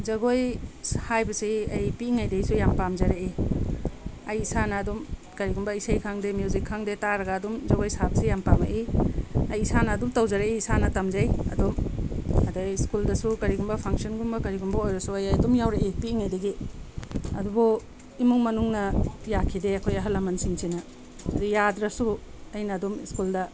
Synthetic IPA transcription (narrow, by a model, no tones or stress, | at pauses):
zɐɡojshajbɐsiɐjpiːŋajdejsujampamzaɾai | ɐjisanɐːdum | kɐɾiɡumbɐisajkʰaŋdemjuwzikʰːaŋdetaɾɐɡaːdumzɐɡojsabsijampama̰ʔiɐjisanɐːdumtawzaɾaʔisanɐtɐmzajɐ̰dumɐdaiskuldɐsukɐɾiɡumbɐpʰaŋsɔnɡumbɐkɐɾiɡumbɐojɾɐsuajajɐdumjawɾaʔek̚piːŋajdɐɡi | ɐ̰dubɔ | imuŋmɐnuŋnɐjakʰideɐkʰojɐɦɐlɐmɐnsiŋsʰinɐ | dijadɾɐsu | ɐjnɐːdumiskuldɐ